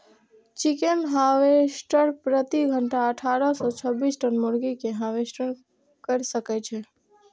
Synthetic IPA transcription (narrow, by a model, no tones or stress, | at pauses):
t͡ʃikenɦãʋesʈəɾpɾət̪iɡʱəɳʈaəʈʰaɾəsɔt͡ʃʰəbisʈənmuɾɡikeɦãʋesʈəɾ | kəɾsəkɛt͡ʃʰɛ